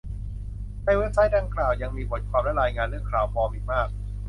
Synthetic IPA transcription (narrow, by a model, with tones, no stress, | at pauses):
naː˧˥˩weː˦˥˩t̚sa˦˥jdaː˧ŋklaː˨˩wja˧ŋmiː˧bʰo˨˩˦t̪̚kʰwaː˧mla˦˥˩ɾaː˧jŋaː˧nlɯ˥˩əkʰɾaː˨˩˦wpʰɔː˧mi˨˩k̚maː˥˩k̚